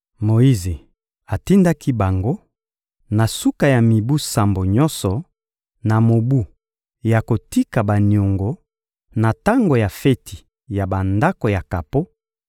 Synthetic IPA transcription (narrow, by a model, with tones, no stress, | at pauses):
mo˨i˦ze˨ | a˨ti˦nda˦ki˦ba˨ŋɡo˦ | na˨su˦ka˨ja˨mi˨bu˦sa˨mbo˨ɲɔ˦nsɔ˨ | na˨mo˨bu˦ | ja˨ko˨ti˦ka˨ba˨ni˨o˨ŋɡo˨ | na˨ta˦ŋɡo˨ja˨fɛ˦tʰi̥˨ | ja˨ba˨nda˦ko˨ja˨ka˨po˦